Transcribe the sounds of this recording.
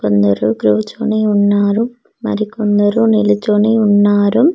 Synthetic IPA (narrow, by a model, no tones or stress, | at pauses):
kond̪ɐɾuɡɾuʋt͡ʃːo̰ːniuɳːaːɾumː | ɐ̰ɾikːond̪ɐɾunilit͡ʃːoːɳiuɳːaːɾum